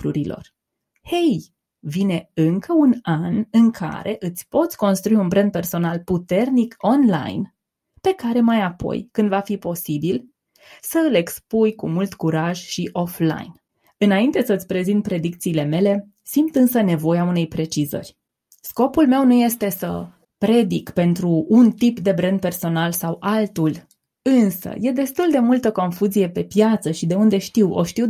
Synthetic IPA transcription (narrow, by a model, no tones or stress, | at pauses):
ɾuɾilo̰r | he̞j | vine̞ɨŋkʰəunanɨŋkʰa̰ɾe̞ʔɨt̪sʲpo̞t̪sʲko̞nst̪ɾuiunbɾenpe̞rso̞nalput̪e̞rniko̞nla̰jn | pe̞kaɾe̞majapo̞̰jkɨnd̪vafipo̞sibil | səɨle̞kspujkumult̪kuɾaʒʃiʔo̞fla̰jn | ɨnaint̪e̞səɨt̪sʲpɾe̞zint̪pɾe̞d̪ik̚t̪siːle̞me̞le̞ | simt̪ɨnsəne̞vo̞jeaune̞jpɾe̞t͡ʃizə̰rʲ | sko̞pulme̞wnuje̞st̪e̞sə̰ | pɾe̞d̪ikpe̞nt̪ɾuːnt̪ipd̪e̞bɾend̪̚pe̞rso̞nalsawalt̪ul | ɨnsə̰je̞d̪e̞st̪uld̪e̞mult̪əko̞nfuzije̞pe̞pjat̪səʃid̪e̞und̪e̞ʃt̪iwo̰ʃt̪iw